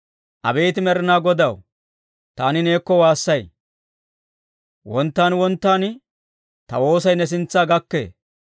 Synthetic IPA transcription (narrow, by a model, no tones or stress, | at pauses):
ʔɐ̰beːt̪ɪmɛɾɪnaːɡɔd̪ɐw | t̪aːnɪne̞ːkːɔwaːsːɐj | wɔnt̪ːaːnwɔnt̪ːaːn | t̪ɐwo̞ːsɐjnɛs̬ɪnt͡sːaːɡɐkːḛː